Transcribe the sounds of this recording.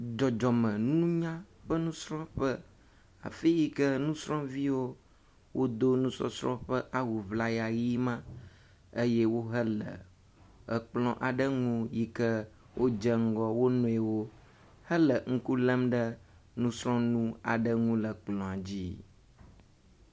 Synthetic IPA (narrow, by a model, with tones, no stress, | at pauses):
d͡ʒɔ˨d͡ʒɔ˨mə̃˨nũ˦ɲã˦ | ɸə˦nũ˦sɾɔ̃˦ɸə˦ | a̰˨fi˦ji˦kə˦nũ˦sɾɔ̃˦vi˦wo˦ | wʔo˦d̪o˦nũ˦sɔ̰˦sɾɔ̃˦ɸə˦ʔa˦wu˨vla˦ja˨ji˦mã˦ | ə˦jɛ˦wo˦ɦə˦lə̰˨ | ə˨k͡plɔ̃˦ʔa˨ɖə˦ŋũ˦ji˦kə˦ | wʔo˦d͡ʒə˦ŋ̩˦ɡɔ˦wo˦nɔ̃˦e˨wo˦ | hə˦lə˨ŋ̩˦ku˦lə˦mɖə˦ | nũ˦sɾɔ̃˦nũ˦a̰˨ɖə˦ŋũ˦lə˨k͡plɔ̃˨a˨d͡ʑi˦